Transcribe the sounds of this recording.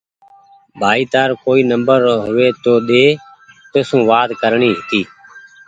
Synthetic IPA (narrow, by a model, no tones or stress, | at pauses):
bʱaːiːt̪aːɾkoːiːnəmbəɾɦʊʋeːt̪oːɗ̪eː | t̪ʊsũːʋaːd̪kəɾɳiːɦɪt̪iː